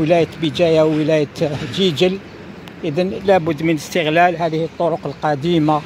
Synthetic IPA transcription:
əlæjət̪bid͡ʒ̪æjawːəlæjət̪d͡ʒid͡ʒəl | ʔəd̪ænlæbʊd̪ːmənəst̪əɣlælɦæd̪əhət̪ˤːoɾoqəlqɑd̪ima

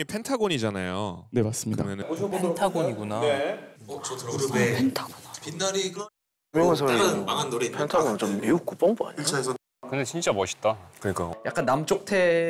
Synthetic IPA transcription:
ipʰe̞ntʰaɡoɲid͡ʑanajo̰ne̞mas͈ɯmɲidamʌnɯntʰaɡoɲiɡunaeot͡ɕoɯɾɯepʰentʰaɡopindaɾikɯɾ | ɯmjʌŋes̬ʰʌɯmaŋɦanːoɾepʰentʰaɡont͡ɕomːiuk͈up͈ʌŋboa̰ɲiɯt͡ɕʰaesʌ | kɯnde̞t͡ɕint͡ɕ͈amʌɕʰi̥t̚t͈akɯɲik͈a̰ja̰k͈anːamt͡ɕ͈ok̚tʰe̞

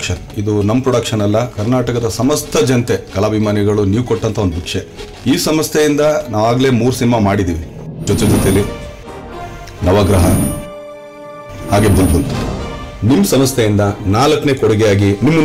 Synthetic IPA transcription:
kʂɐn | id̪unɐmːpɾɔɽɐkʂɐnɐlːɐkɐɾnaːʈɐkɐd̪ɐsɐmɐst̪ʰɐd͡ʒɐnt̪e̞kɐlaːbʱimaːniɡɐɭuniːʋukɔʈːɐnt̪ɐo̞nd̪ubʱikʂe | iːsɐmɐst̪ʰejind̪ɐnaːʋaːɡle̞ːmuːɾusinimamaːɽid̪iːʋi | d͡ʒot̪ed͡ʒɔt̪ejɐlːi | nɐʋɐɡɾɐɦɐ | haːɡe̞bɐnd̪bɐnt̪unimːsɐmɐst̪ʰejind̪ɐnaːlɐkːɐne̞ːkoɽɛɡejaːɡinimːɐ

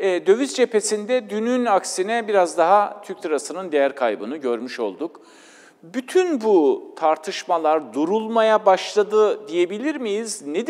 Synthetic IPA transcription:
ɛːd̪ø̞vyzd͡ʒe̞pʰe̞sind̪ɛd̪ynynaksinɛbiɾazd̪aɦat̪ʰyɾct̪ʰɯɾasɯnɯnd̪ejæɾkʰa̰jbɯnɯɟø̞ɾmyʃo̞̰lˠd̪uk | byt̪ʰynbut̪ʰaɾt̪ʰɯʃmalˠaɾd̪uɾulˠmajabaʃlˠad̪ɯd̪ije̞bilʲiɾmijizned̪

